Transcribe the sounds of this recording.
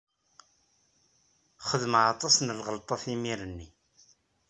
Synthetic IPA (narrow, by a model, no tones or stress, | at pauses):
χəðəmʕɑt̪ˤːɑsnəlʁəlt̪ˤɑθimiɾənːi